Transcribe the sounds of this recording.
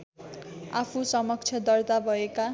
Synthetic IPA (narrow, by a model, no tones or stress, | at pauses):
apʰusʌmʌk̚t͡sʰjʌd̪ʌrt̪abʱʌeka